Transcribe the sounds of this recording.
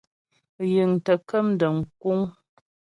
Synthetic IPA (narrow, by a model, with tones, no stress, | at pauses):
ji˨ŋtə˨kə˦m˦də˨ŋ̩˨k̚u˦ŋ